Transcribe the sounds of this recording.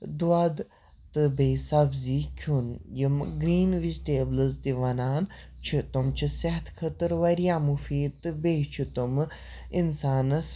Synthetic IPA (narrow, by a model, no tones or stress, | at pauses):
d̪uɐd̪ | t̪ɨbejsɐbziːkʲʰunjimɡɾiːnʋizʈeːblɨzt̪iʋɐnaːnt͡ʃʰit̪umt͡ʃʰisɐɦt̪ʰkʰɐt̪ɨɾʋɐɾjaːmufiːd̪̚t̪ɨbejt͡ʃʰit̪um | insaːnɐs